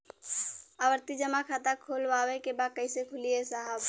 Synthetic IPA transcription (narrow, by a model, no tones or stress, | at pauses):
abəɾt̪id͡ʒəmakʰat̪akʰolʋawɛkebakəɪsekʰulijesaɦəb